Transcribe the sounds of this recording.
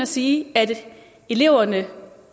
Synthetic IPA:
æsiːæd̥ | e̝le̝ʊ̰ɐnə

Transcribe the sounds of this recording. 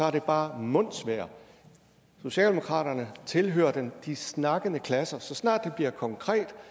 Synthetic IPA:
sɒ̽æɐ̥e̝b̥ɑ̈ːmɔ̽n̰sʋæɐ̰ | so̝ɕɛ̰ːld̥emo̝kʰʁɑ̰̈ːɾɐnət͡sʰe̝lɦø̰ːɐd̥end̥isnɑ̈ɡ̥ənəkʰlæsɐsɒ̽snɑ̰̈ːd̥de̝b̥liɐkʰɒ̽ŋkʰʁɛ̰ːd̥

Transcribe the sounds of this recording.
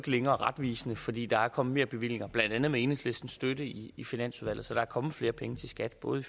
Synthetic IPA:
ɡ̥əleŋɐɒʁɑ̈d̥ʋḭːsnəfɒ̽d̥ḭːd̥ɑ̈æɐkʰɒ̽m̩me̝̰ːɐb̥e̝ʋil̰e̝ŋɐb̥lænd̥ænð̞̩ˠmee̝ːnhe̝ŋsle̝sd̥n̩sd̥ødəiifinæn̰suðˠʋæl̰ð̩ˠsɒ̽d̥ɑ̈æɐkʰɒ̽mð̩ˠfle̝ːɐpʰeŋət͡sʰe̝sɡ̥æd̥b̥ɔ̽ːð̞̩ˠ

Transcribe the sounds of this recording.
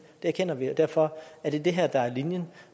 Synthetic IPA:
d̥e̝æɐken̰ɐʋiɒd̥æɐfɒ̽æɐd̥e̝d̥e̝ɦæɐ̰d̥ɑ̈æɐlinjən

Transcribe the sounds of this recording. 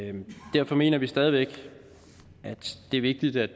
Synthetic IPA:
d̥æɐfɒ̽me̝̰ːnɐʋisd̥ɛːð̞ˠiʋeɡ̥ | æd̥d̥e̝æɐʋe̝ɡ̥̚d̥id̥æd̥

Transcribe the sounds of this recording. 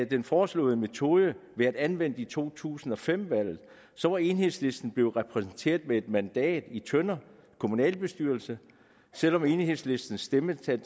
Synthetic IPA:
d̥enfɒːslɔ̰̽ːðˠəme̝t͡sʰo̝ðˠəʋe̝æd̥ænʋen̰d̥it͡sʰo̝̰ːt͡sʰṵːsn̩ɒ̽fem̰ʋæl̰ð̩ˠ | sɒ̽ʋɑ̈e̝nhe̝ðˠsle̝sd̥n̩b̥le̝ʊʁɛpʰʁɛsn̩t͡sʰe̝̰ːɐðˠmee̝d̥mænd̥ɛ̰ːd̥it͡sʰønɐ | kʰo̝munɛ̰ːlb̥e̝sd̥yɐlsə | sel̰ɒ̽me̝nhe̝ð̰ˠsle̝sd̥n̩sd̥emət͡sʰe

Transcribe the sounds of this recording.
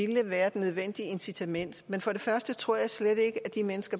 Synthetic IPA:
iləʋæːɐed̥nøð̞ˠʋen̰d̥iəe̝nsit͡sʰæmen̰d̥menfɒ̽ɾ̥e̝fɶɐsd̥ət͡sʰʁo̝ɐ̰jɑ̈ɪsleɾ̥e̝ɡ̥əæd̥imenəsɡ̥ɐ

